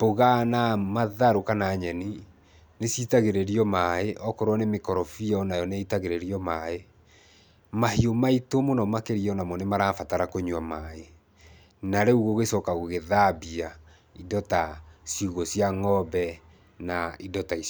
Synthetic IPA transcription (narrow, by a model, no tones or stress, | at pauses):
poɣanamaðaɾokanaɲɛni | nesjitaɣeɾeɾiɔmaeʔɔkɔɾwɔnemekɔɾɔfiaɔnajɔneitaɣeɾeɾiɔmae | mahiomaitomonɔmakeɾiɔnamɔnemaɾaːfataɾakoɲwamae | naɾeuɣoɣesɔkaɣoɣeðabia | idɔtasjuɣosjaŋɔbɛ | naidɔtais